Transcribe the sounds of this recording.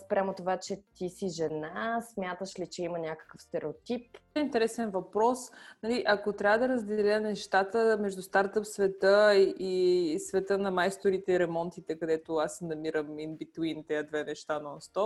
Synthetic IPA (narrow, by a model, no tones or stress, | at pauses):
spɾʲʔamot̪ovat͡ʃɛt̪isiʒɛnasmʲjat̪əʃlit͡ʃɛimɐnʲakə̥kəfst̪ɛɾʔɛot̪ipɛint̪ɛɾɛsɛnvɐpɾɔsnɐliʔɐkot̪ɾʲabvəd̪ɐɾəzd̪ɛlʲənɛʃt̪at̪əmɛʒd̪ʊst̪aɾt̪əpsvɛt̪əiisvɛt̪ənɐmajst̪oɾit̪ɛiɾɛmɔnt̪it̪ɛkɐd̪ɛt̪oasnɐmiɾəminbit̪uwint̪ɛəd̪vɛnɛʃt̪anɔnst̪ɔ